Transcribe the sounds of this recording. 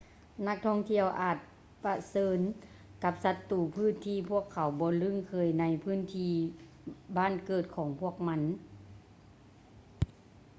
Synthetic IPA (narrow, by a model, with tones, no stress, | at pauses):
na˧˥k̚t̪ʰɔ˧˥˩ŋt̪ʰi˧˨əwʔaː˨˩t̪̚ | pa˧sɤː˧n | ka˧˥p̚sa˧t̪ːuː˨˩pʰɯː˥˨nt̪ʰiː˧pʰu˥˩əkʰːa˨˩˦wbɔː˧˦lɯ˧˥˨ŋkʰɤː˧˩jna˧˥jpʰɯː˧˥˨nt̪ʰiː˧ | baː˧˥˨nkɤː˨˩t̪̚kʰɔː˨˩˦ŋpʰu˥˩ək̚ma˧˥n